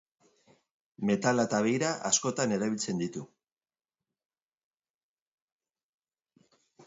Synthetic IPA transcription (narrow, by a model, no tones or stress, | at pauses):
me̞t̪alaet̪aβejɾaʔasko̞t̪ane̞ɾaβilt͡se̞nd̪it̪u